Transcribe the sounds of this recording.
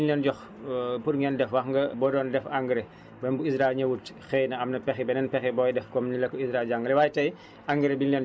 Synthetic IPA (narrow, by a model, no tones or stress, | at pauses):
nlɛnɟɔx | purŋɡɛndɛfwɐxŋɡɐbɔdɔndɛfaŋɡɾɛ | bɛmbuisɾailɲɐwutxɛjnɐɐmnɐpɛxibɛnɛnpɛxibɔjdɛfkɔmnilɐkːɔisɾailɟaŋɡɐlɛwaːjtɐj | aŋɡəɾɛbinlɛn